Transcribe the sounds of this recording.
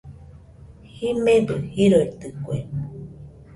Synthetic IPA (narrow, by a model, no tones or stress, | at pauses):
himebɨhiɾoit̪ɨkue